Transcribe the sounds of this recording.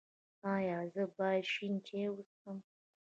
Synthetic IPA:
ajaːzɨbaʃintʲʰeːwʊsɨm

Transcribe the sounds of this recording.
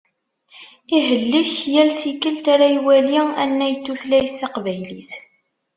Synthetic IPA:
iɦəlːiçjælθikəlt̪aɾajwæliænːæjt̪ːuθlæjθːɑqvæjliθ

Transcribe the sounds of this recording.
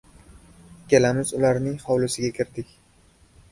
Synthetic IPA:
kʲʰe̞lamɪzʊlaɾnɪŋhɒwlɪsɪɡʲakʲʰɪɾd̪ɪkʲ

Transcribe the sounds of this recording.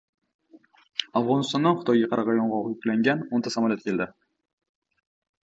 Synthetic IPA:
afʁɒnɪst̪ɒnd̪anχʊ̥t̪ʰɒjɡʲaqʰɑɾɑʁɑjɒɴʁɒʁjʊkʲlaŋɡʲanont̪ʰasamɒlʲˠjat̪kʲʰe̞ld̪ɪ

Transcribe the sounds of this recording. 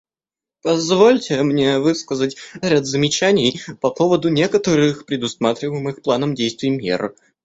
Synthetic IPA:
pɐzvolʲtʲɪmnʲe̞vɨskəzətʲɾʲad̪zəmʲɪt͡ɕænʲɪjpɐpo̞vəd̪ʊnʲe̞kət̪əɾɨxpɾʲɪd̪ʊsmat̪ɾʲɪvəjɪmɨxplˠanəmdʲejst̪vʲɪjmʲḭrə̰

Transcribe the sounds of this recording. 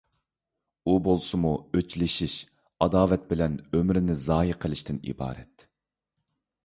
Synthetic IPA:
ubolˠsɨmuøt͡ʃlɪʃiʃ | ɑd̪ɑːvɛt̪̚bɪlɛnømɾɪnɪzɑːjiqʰəlˠɪʃt̪ɪnḭbɑ̰ːɾɛ̰t̪

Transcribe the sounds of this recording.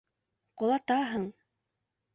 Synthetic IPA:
qŏlˠɑt̪ɑɦɤɴ

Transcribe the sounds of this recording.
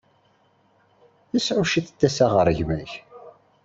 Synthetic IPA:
θisʕuʃiθəd̪ːæsaʁəɾˤəʝmæç

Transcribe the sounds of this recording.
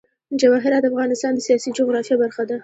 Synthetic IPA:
d͡ʒabɑɦɪɾɑd̪afɣɑnɪst̪ɑnd̪əsijɑsid͡ʒʊɣɾɑfjɑbaɾxad̪a

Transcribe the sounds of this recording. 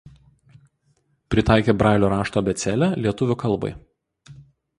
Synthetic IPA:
pʲɾʲɪt̪ɑˑɪkʲeːbɾɑˑɪlʲoːɾɑːʃt̪oːbʲɛt̪sʲɛlʲælʲiɛt̪ʊʋʲʊkɐlˠˑbɐ̰ɪ

